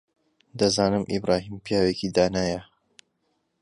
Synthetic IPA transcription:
d̪ɐzaːnɨmʔḭbɾaːɦiːmpijaːweːkid̪aːnaːjɐ

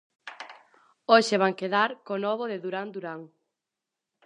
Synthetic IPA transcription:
oʃeβ̞aŋkeðaɾkonɔβoðɪðuɾand̪uɾaŋ

